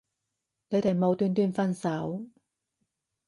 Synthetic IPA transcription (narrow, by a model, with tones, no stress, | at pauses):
ne˨˧t̪ʰmo˨˧wt̪yː˧nt̪yː˧nfɐ˧nsa˨˥w